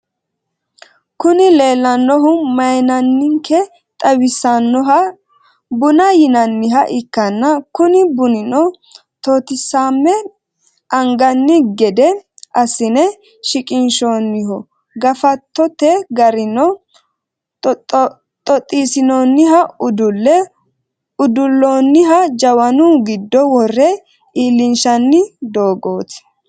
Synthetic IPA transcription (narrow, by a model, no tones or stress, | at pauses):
kʊnɪle̞ːlːɐnːɔɦʊmɐjnɐnːɪŋkʰɛ | t̪ʼɐwɪsːɐnːɔɦɐ | bʊnɐjɪnɐnːɪɦɐʔɪkːɐnːɐkʊnɪbʊnɪnɔ | t̪oːt̪ɪsaːmːɛ | ʔɐŋɡɐnːɪɡɛd̪ɛ | ʔɐsɪnɛ | ʃɪkʼɪnʃoːnːɪɦɔ | ɡɐfɐt̪ːɔt̪ɛɡɐɾɪnɔ | t̪ʼɔt̪ʼːiːsɪnoːnːɪɦɐʊd̪ʊlːɛ | ʊd̪ʊlːoːnːɪɦɐd͡ʒɐwɐnuːɡɪd̪ːɔwɔrːɛ | iːlːɪnʃɐnːɪd̪o̞ːɡo̞ːt̪ɪ̥